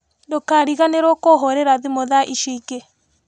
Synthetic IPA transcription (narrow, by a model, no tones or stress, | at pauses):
ndokaɾiɣaneɾokoɦoɾeɾaðimoðaʔiʃike